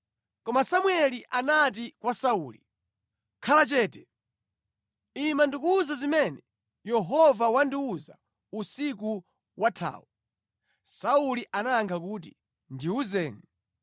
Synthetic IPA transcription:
kɔmasamwɛliʔanat̬ikwasauːlḭ | kʰalat͡ʃɛːtɛ | imandikuːzazimɛnɛ | jɛɦɔvawandiuza | usiku | wʔatʰa̰ːu | sauliʔanaŋkʰakuːt̬i | ndiuzɛːŋɛ

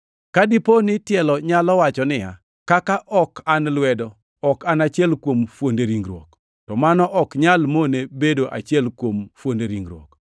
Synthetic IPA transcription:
kadɪponɪtjɛlɔɲalɔwat͡ʃɔnɪja̰ | kakaʔɔkanlwɛdɔ | ɔkanat͡ʃɪɛlkwomfwondeɾiŋɡɾwok | tɔmanɔʔɔkɲalmonebedoʔa̰t͡ʃjɛlkwomfwondeɾiŋɡɾwɔ̰k

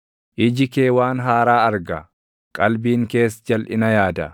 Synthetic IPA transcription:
ʔɪd͡ʒɪke̞ːwaːnɦaːɾaːɐɾɡɐ | kʼɐlbiːŋke̞ːsd͡ʒɐlʔɪnɐjaːd̪ɐ

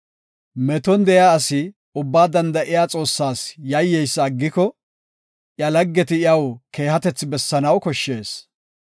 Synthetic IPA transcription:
mɛt̪ɔnd̪ɛjaːsɪ | ʊbːaːd̪ɐnd̪ɐʔɪjaːt͡sʼo̞ːsːaːsjɐjːɛjsːɡːɪkɔ | ʔjɐlɐɡːɛt̪ɪɪɐwke̞ːhɐt̪ɛt͡sːɪbɛsːɐnɐwkɔʃːe̞ːs

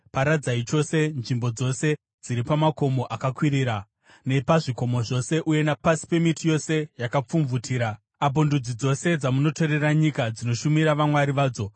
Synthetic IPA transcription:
paɾad͡zait͡ʃo̞se̞nʐimbo̞d͡zo̞se̞ | d͡ziɾipamako̞mo̞ʔakakwiɾiːɾa | ne̞paʐiko̞mo̞ʐo̞se̞ʔuje̞napasi̥pe̞mitijo̞se̞jakap͡fuɱvutʰiːɾa | ab̬ondud͡zid͡zo̞se̞d͡zamuno̞to̞ɾe̞raɲikad͡zino̞ʃumiɾaʋamwaɾiʋaːd͡zo̞

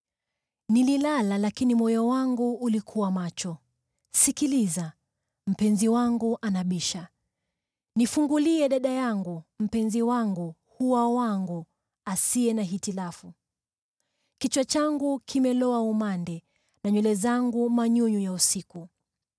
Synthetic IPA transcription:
nililalalakinimɔjɔwaŋɡuːlikʰuwamat͡ʃɔ | sikiliza | m̩pɛnziwaŋɡuʔanaɓiʃa | nifuŋɡuliɛɗaɗajaŋɡum̩pɛnziwaŋɡu | huwawaŋɡu | asiɛnaɦitilafu | kit͡ʃwat͡ʃaŋɡukʰimɛlɔaumandɛ | naɲulɛzaŋɡumaɲuɲujausiku

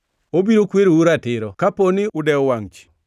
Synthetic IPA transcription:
obiɾokweɾouɾatɪɾɔkaponɪʊdɛɔwaŋt͡ʃi̥

